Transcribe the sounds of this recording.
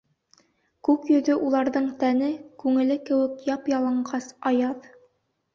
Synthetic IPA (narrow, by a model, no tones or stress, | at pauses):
kʉkjɵ̆ðɵʔulˠɑɾðɤɴt̪ænɘkʉŋɘ̆lɘkɘ̆wɘ̆kjɑpjɑlˠɤ̆ɴɢɑsɑjɑð